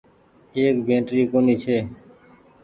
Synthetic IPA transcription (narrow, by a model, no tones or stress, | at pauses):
eːk̚bʱẽːʈɾiːkoːniːt͡ʃʰeː